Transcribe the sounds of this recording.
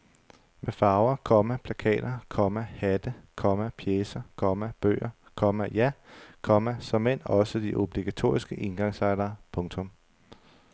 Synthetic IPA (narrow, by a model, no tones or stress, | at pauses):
mefɑ̈ːʊɐkʰɒ̽mæpʰlækʰɛ̰ːd̥ɐkʰɒ̽mæhæd̥əkʰɒ̽mæpʰjeːsɐkʰɒ̽mæb̥ø̰ːɐ | kʰɒ̽mæjækʰɒ̽mæsɒ̽men̰ɒ̽səd̥iʔo̝b̥liɡ̥æt͡sʰo̝̰ːɐisɡ̥əʔe̝nɡ̥ɑ̈ŋsɑ̈ɪd̥ɐːpʰɔ̽ŋt͡sʰɔ̽m